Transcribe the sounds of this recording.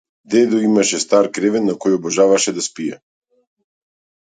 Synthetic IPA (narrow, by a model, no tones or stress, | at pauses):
d̪ɛd̪ɔimaʃɛst̪aɾkɾɛvɛnːakɔjɔbɔʒavaʃɛd̪aspijɛ̰